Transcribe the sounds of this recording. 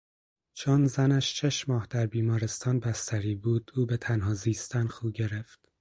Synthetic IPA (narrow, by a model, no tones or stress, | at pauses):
t͡ʃʰonzænæʃt͡ʃʰeʃmɒːhd̪̥æɾbiːmɒːɾe̞st̪ʰɒːnbæst̪ʰæɾiːbuːd̪̥uːbe̞t̪ʰænɦɒːziːst̪ænxuːɟe̞ɾeft̪